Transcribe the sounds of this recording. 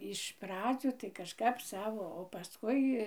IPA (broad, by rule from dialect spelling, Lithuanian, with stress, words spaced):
ɪʃ ˈprɑːd͡zʲuː tɐɪ kɐʃˈkɐp ˈsɑːʋoː oː pɐˈskʊɪ